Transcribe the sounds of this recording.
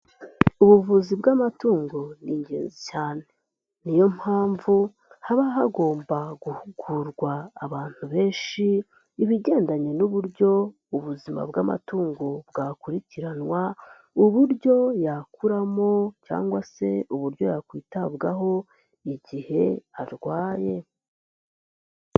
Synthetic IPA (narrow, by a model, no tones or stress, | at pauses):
uβuvuzibɡamatuːŋɡo̞niːɲɟḛːnzicaːne̞ | nijo̞mhaːɱvu | haβaɦaɡo̞ːmbaɡuhuɡ̥uɾɡwaːβaːn̥uβe̞ːnʃiː | βiɟe̞ːndaɲe̞nuβuɾɟo̞ | uβuzima̰bɡa̰ma̰tuːŋɡobɡaːkuɾiciɾanwa | uβuɾɟo̞jakuɾamo̞ca̰ːŋɡwase̞uβuɾɟo̞jakwiːtabɡaɦo̞ | iɟihe̞aɾɡwaːje̞